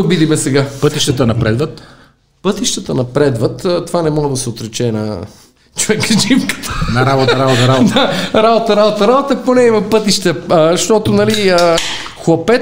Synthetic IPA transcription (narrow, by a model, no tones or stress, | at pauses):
ʊbid̪imɛsɛɡapɤt̪iʃt̪ət̪ənɐpɾɛd̪vət̪ | pɤt̪iʃt̪ət̪ənɐpɾɛd̪vət̪ət̪ovanɛmɔɡəd̪ɐsɛot̪ɾɛt͡ʃɛnɐ̰ | t͡ʃovɛkd͡ʒimkə̥t̪ə̥nɐɾabot̪ɾabot̪əɾad̪aɾabot̪əɾabot̪ɐɾabot̪əponɛimɐpɤt̪iʃt̪əəʃt̪ɔt̪ʊnɐliə | xlˠɐpɛ